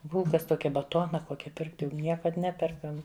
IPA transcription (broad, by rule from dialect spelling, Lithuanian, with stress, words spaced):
ˈbʊlˠkɐs ˈtoːkʲɛ bɐˈtoːnɐ ˈkoːkʲɛ pʲɪrkt jɛʊ ˈnʲiɛkɐt ˈnʲæːpʲɛrkɐm